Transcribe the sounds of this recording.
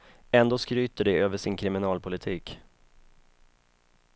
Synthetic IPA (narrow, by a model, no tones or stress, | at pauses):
ɛnd̪oːskɾyːt̪əɖɛøːvəʂɪnkʰɾɪmɪnɑːlpʰʊlɪt̪ʰiːk